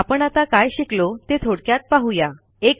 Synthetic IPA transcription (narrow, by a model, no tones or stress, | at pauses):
apəɳat̪akajɕiklot̪et̪ʰoɽkjat̪̚paɦuja | ek